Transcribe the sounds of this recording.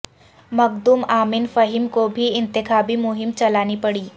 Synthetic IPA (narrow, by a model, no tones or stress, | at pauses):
mɐɡd̪umaːmɪnfɐɦɪmkobʱiɪ̃nt̪ɪxaːbimʊɦɪmt͡ʃɐlaːnipɐɽiː